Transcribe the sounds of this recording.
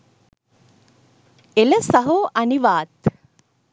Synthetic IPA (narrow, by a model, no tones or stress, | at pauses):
elɐsɐɦoːʔɐniʋaːt̪